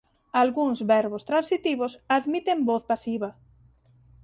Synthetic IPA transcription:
alɣuŋzβɛɾβost̪ɾansit̪iβosaðmit̪emboθpasiβɐ

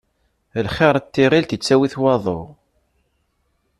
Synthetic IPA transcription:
lχɪɾˤt̪ːɪʁilt̪ət͡sːæwiθwɑðˤo̰

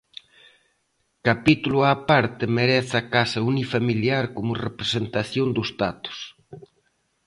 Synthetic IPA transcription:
kapit̪ulʊapaɾt̪ɪmeɾɛθakasɐunifamiljaɾkomʊrepɾesent̪aθjond̪ʊst̪at̪ʊ̥s

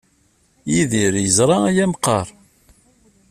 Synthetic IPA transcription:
jiðiɾjəzɾˤɑæjæmqɑɾˤ

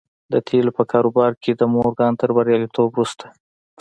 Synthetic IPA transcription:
d̪ət̪ʰelopəkʰɑɾobɑɾked̪əmoɾɡɑnt̪əɾbaɾjɑlit̪obɾust̪ʰḁ

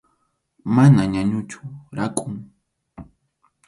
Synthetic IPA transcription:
manaɲaɲʊt͡ʃʊ̥ɾakʼʊŋ

